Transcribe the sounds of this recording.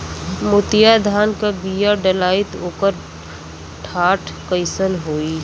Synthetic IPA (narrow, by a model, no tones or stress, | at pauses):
mʊt̪ɪjad̪ʱaːnkabijaɖəlaːɪt̪oːkəɾ | ʈʰaːʈʰkəɪsəlɦoːi